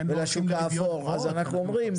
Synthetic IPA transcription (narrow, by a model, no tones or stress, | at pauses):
velaʃukaːfoʁazanaχnuomʁim